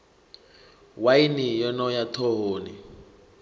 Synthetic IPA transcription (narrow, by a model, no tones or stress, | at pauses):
wainijɔnɔjatʰɔɦoːni